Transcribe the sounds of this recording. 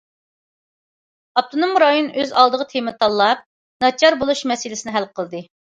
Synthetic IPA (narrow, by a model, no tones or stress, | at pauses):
ɑp̚t̪ʰonomɾɑjonøzɑlˠd̪əʁət̪ʰemɪt̪ʰɑlˠːɑp̚ | nɑt͡ʃʰɑɾbolˠuʃmɛsɪlɪsɪnɪɦælqʰəlˠd̪ɨ